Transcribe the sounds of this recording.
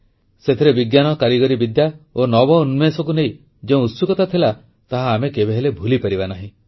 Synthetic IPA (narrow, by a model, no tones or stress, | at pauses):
set̪ʰiɾebiɡjanɔkaɾiɡɔɾibid̪jaonɔbɔunmesɔk̬uneĩ | d͡ʒeũusukɔt̪at̪ʰila | t̪aɦaːmekebeɦelebʱulipaɾibanaɦĩ